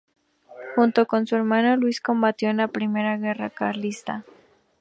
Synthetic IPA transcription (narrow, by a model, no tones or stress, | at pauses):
xunt̪o̞ko̞nsue̞ɾmãnolwisko̞mbat̪jo̞enlapɾime̞ɾaɣe̞rakaɾlist̪a